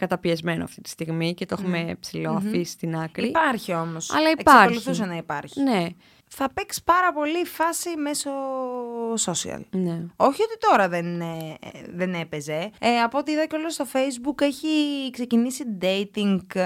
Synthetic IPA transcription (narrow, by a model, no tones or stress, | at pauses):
kɐt̪ɐpiezme̞noɐ̰ft̪it̪i̥st̪iɣmicet̪oxumepsilo̞ɐfisi̥st̪inɐkɾipɐɾçio̞mo̞sɐ̰lɐiekpsɐɾkoluθuss̬ɐnɐipɐɾçine̞ | θɐpekspɐɾɐpo̞lifɐsime̞so̞ | so̞siɐ̰lneo̞çio̞t̪it̪o̞ɾɐðen | ðe̞ne̞peze̞ɐpo̞t̪iiðɐcolost̪o̞fe̞jzbuke̞çikse̞cinisid̪e̞it̪iŋɡ